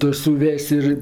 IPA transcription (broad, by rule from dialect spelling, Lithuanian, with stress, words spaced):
ˈtʊ sʊˈʋʲɛsʲ ɪr